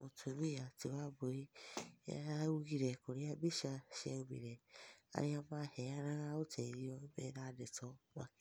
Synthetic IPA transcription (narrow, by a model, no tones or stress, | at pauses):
otʰomĩjatiwaboɾia̰ɾauɡiɾɛkoɾiabiʃaʃɛubḭɾɛa̰ɾĩamãːhɛaɾãɾaotʰɛiɾiɔ̃bɛɾadɛtɔwa